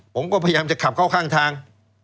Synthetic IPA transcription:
pʰo˩˦mkɔː˥˩pʰa˧ja˧jaː˧mt͡ɕa˨˩kʰa˨˩p̚kʰaː˥˩wkʰaː˥˩ŋt̪ʰaː˧ŋ

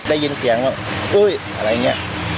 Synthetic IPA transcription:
daː˥˩ji˧nsi˩˦əŋwaː˧˥˩wʔɤː˧˥˩jʔʔa˧ɾa˧jni˦˥ɐ˧ʔ

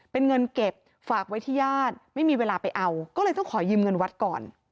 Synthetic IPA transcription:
pe˧nŋɤ˧nke˨˩p̚ | faː˨˩k̚wa˦˥jt̪ʰiː˥˩jaː˥˩t̪̚ma˥˩jmiː˧weː˧laː˧pa˧jʔa˧wkɔː˥˩lɤː˧jt̪ɔ˥˩ŋkʰɔː˩˦jɯː˧mŋɤ˧nwa˦˥t̪̚kɔː˨˩n

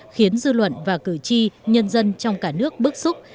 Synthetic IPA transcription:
xi˨˦ənzɨ˧lwə̰˧˨nvaː˨˩kɨ̰˧˩t͡ɕi˧ɲə˧nzə˧nt͡ɕɔ˧wŋ͡mkaː˧˩nɨ˦˥ək̚ɓɨ˦˥k̚sʊ˦˥k͡p̚

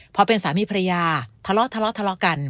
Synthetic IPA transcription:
pʰɔ˧˥pe˧nsaː˩˦miː˧˥pʰa˧ɾa˧jaː˧t̪ʰa˧lɔ˦˥t̪ʰa˧lɔ˦˥t̪ʰa˧lɔ˦˥ka˧n

